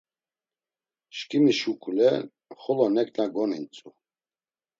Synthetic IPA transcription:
ʃkʼimiʃukʼulɛ | χɔlɔnɛkʼnaɡɔnint͡sʼu

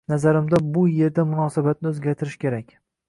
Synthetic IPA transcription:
nazaɾɪmd̪abʊje̞ɾd̪amʊnɒsabat̪̚nɪɵzɡʲaɾt̪ʰɪɾɪʃkʲe̞ɾakʲ

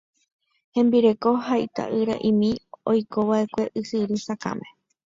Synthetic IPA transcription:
hẽ̞mbiɾe̞ko̞ɦajt̪a̰ʔɨɾa̰ʔĩmĩojkoʋaʔe̞kʷe̞ʔɨhɨɾɨsakã̰mẽ

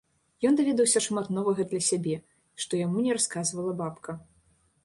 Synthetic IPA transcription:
jɔnd̪avʲɛd̪ɐwsʲɐʂmat̪nɔvɐɣɐd̪lʲɐsʲabʲɛ | ʂt̪ɔjamunʲɛɾaskazvɐlˠɐbapkʰɐ

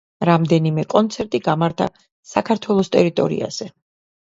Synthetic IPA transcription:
ɾamd̪ɛnimɛkʼɔnt̪sʰɛɾt̪ʼiɡamaɾt̪ʰa̰ | sakʰaɾt̪ʰwɛlˠɔst̪ʼɛɾit̪ʼɔ̰ɾḭa̰z̥ɛ

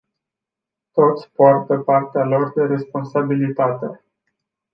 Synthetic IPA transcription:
t̪o̞t̪sʲpoart̪əpart̪ealo̞rd̪e̞ɾe̞spo̞nsabilit̪at̪e

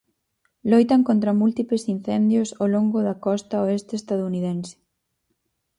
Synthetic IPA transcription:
lojt̪aŋkont̪ɾɐmult̪iplesin̟θɛnd̪josowloŋɡʊðɐkɔst̪aoest̪est̪að̞ouniðensɪ̥

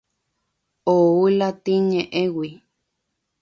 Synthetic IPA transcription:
oulat̪iɲẽʔewi

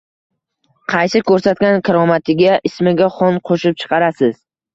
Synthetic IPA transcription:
qʰɑjsɪkʰɵɾsat̪kʲankʲʰaɾɒmat̪ʰɪɡʲaʔɪsmɪɡʲaχɒnqʰoʃɪp̚t͡ʃʰɨ̥qʰɑɾasɪz̥

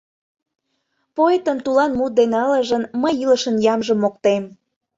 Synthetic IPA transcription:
poet̪əmt̪ulɑnmut̪̚d̪enələʒənməjiləʃənjɑmʒəmːok̚t̪em

